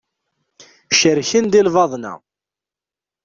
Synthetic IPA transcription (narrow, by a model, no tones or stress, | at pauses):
ʃəɾçənd̪ilvɑðˤnæ̰